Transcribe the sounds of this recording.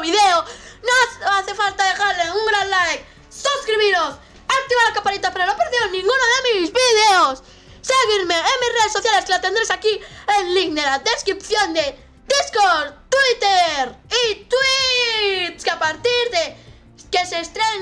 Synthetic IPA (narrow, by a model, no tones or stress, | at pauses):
βiðeonɐ̃w̃aθefalt̪aðeɣaɾleũŋɡɾalajk | suskɾiβiɾos | ak̚t̪iβaɾakapaɾit̪apeɾanõpeɾðewnĩŋɡunaðemizβiðeos | seɣiɾmeemisreðesoθjaleskɪlat̪ẽnd̪ɾesakieŋliŋd̪eɾaðeskɾipθjõnd̪e | d̪iskoɾt̪wit̪eɾit̪wi | t̪skapaɾt̪iɾðe | keʃest̪ɾeɲ